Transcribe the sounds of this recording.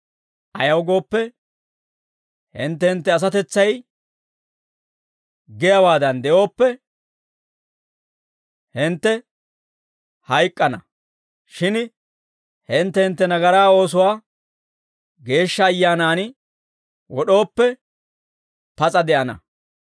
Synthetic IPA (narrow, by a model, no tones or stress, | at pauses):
ɐjɐwɡo̞ːpːɛ | hɪ̰nt̪̬ːɛhɪnt̪ːɛɐs̬ɐt̪ɛt͡sːɐj | ɡɪjɐwaːd̪ɐnd̪ɛʔo̞ːpːɛ | hɪnt̪ːɛ | hɐjkʼːɐnɐ | ʃɪn | hɪnt̪ːɛhɪnt̪ːɛnɐɡɐɾaːo̞ːs̬ʊwaː | ɡe̞ːʃːɐːjːaːnaːn | wɔɗo̞ːpːɛ | pɐt͡sʼɐd̪ɛʔɐnɐ̰